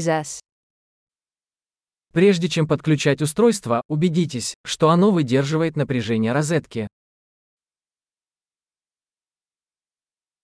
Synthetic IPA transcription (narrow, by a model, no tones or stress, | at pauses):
zas | pɾʲe̞ʐdʲɪt͡ɕe̞mpət̪̚klʲʉt͡ɕætʲʊst̪ɾo̞jst̪vəʊbʲɪdʲit̬ʲɪsʲʂt̪o̞ɐno̞vɨdʲe̞rʐɨvəjɪt̪nəpɾʲɪʐɛnʲɪjəɾɐzɛt̪kʲɪ